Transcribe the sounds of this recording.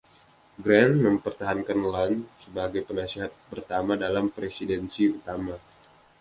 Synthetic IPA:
ɡɾɛnməmpərt̪aɦankanlansəbaɡajpənasiɦat̪̚pərt̪amadalampɾesidɛnsiut̪ama

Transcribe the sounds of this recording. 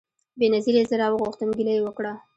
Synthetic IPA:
benaziɾezəɾɑwəɣuxt̪ənɡilajewəkɽa

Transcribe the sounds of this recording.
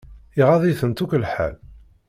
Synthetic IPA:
iʁaðˤiθənt̪uklħæ̰l

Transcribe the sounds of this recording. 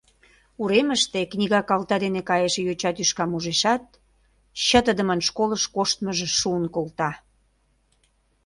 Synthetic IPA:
uɾeməʃt̪eknʲiɣɑkɑlt̪ɑd̪enekɑjəʃejot͡ɕɑt̪yʃkɑmuʒeʃɑt̪̚ | ɕət̪əd̪əmənʃkoləʃkoʃt̪məʒĕʃuənkolt̪ɑ

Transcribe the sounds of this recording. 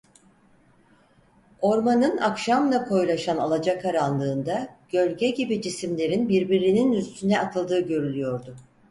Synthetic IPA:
o̞ɾmanɯnakʃamlˠakʰo̞jlˠaʃanalˠad͡ʒakʰaɾanlˠɯːnd̪aɟ̥ø̞lʲɟɛɟibid͡ʒisimlʲe̞ɾinbiɾbiɾininyst̪ʰynɛat̪ʰɯlˠd̪ɯːɟø̞ɾylʲyjo̞ɾd̪ʊ

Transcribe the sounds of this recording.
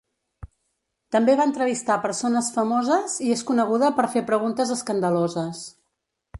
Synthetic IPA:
t̪əmbeβaənt̪ɾəβ̞ist̪apəɾsonəsfəmozəzieskunəɣ̞uðəpəɾfepɾəɣ̞unt̪əzəskənd̪əlozəs

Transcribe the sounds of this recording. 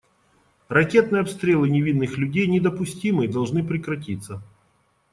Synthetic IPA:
rɐkʲe̞t̪̚nɨjəɐpst̪ɾʲelˠɨnʲɪvʲinːɨxlʲʉdʲejnʲɪd̪əpʊsʲtʲimɨd̪ɐlˠʐnɨpɾʲɪkɾɐtʲit̪sːə

